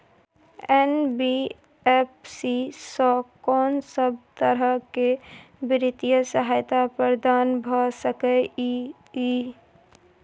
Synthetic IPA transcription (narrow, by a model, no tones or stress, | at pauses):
enbi | epsisɔkɔːnsəb̚t̪əɾəke | bɪɾɪt̪ijəsəɦaːjt̪apɾəɾd̪aːnbʱəsəkə | i